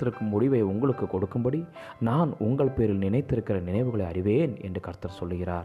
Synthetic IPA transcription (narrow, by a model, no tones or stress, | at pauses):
t̪ːɪɾɯkːɯmːʊɽɪʋɐɪʊŋɡɐɭɯkːɯkːɔɽɯkːɯmbɐɽi | naːnʊŋɡɐɭpeːɾɪlnɪnɐɪt̪ːɪɾɯkːɪrɐnɪnɐɪʋɯɣɐɭɐɪɐrɪʋeːnɛ̰ndrɯkɐɾt̪ɐɾsɔlːɯɣɪra̰ːɾ